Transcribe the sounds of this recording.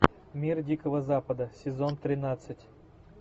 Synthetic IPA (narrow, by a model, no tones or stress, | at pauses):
mʲirdʲikəvəzapəd̪əsʲɪzont̪ɾʲɪnat̪sɨtʲ